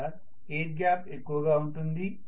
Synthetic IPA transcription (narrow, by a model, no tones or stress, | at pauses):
a | eːʈ̚ɡjaːpekːuʋɐɡaːuɳʈund̪i